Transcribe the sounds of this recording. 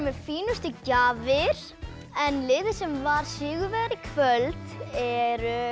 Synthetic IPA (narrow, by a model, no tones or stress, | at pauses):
mɛfiːnʏst̪ʏcaːvɪɾ̥ | ɛnlɪːðɪsɛmvaɾ̥sɪːɣʏɾvɛɣɾɪkʰvœlt̪ɛɾʏ